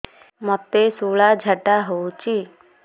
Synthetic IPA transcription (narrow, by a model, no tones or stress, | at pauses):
mɔt̪ːesuːɭad͡ʒʱəʈaɦot͡ʃi